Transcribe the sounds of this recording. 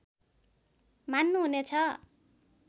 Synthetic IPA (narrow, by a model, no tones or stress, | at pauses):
manːuɦunet͡sʰʌ